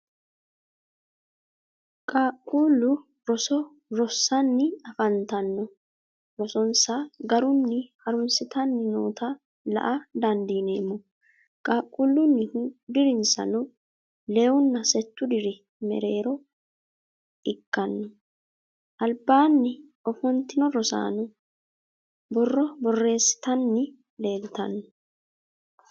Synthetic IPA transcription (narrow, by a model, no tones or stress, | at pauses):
kʼaːkʼːuːlːʊ | ɾɔsɔ | ɾɔsːɐnːɪɐfɐnt̪ɐnːɔ | ɾɔsɔnsɐɡɐɾʊnːɪhɐɾʊnsɪt̪ɐnːɪno̰ːt̪ɐ | lɐ̰ʔɐd̪ɐnd̪iːneːmɔ | kʼaːkʼːuːlːʊnːɪhud̪ɪɾɪnsɐ̰nɔ | le̞ːwʊnːɐsɛt̪ːʊd̪ɪɾɪ | mɛ̰ɾe̞ːɾɔ | ʔɪkːɐnːɔ | ʔɐlbaːnːɪʔɔfɔnt̪ːɪnɔɾɔsa̰ːnɔ | bɔrːɔbɔrːe̞ːsːɪ̥t̪ɐnːɪ | le̞ːlt̪ɐ̰nːɔ